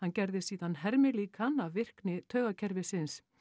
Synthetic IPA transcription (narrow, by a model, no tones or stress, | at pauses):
hancɛɾðɪsiːðanɦɛɾmɪliːkanavvɪr̥knɪt̪ʰœːɣacʰɛɾvɪsɪns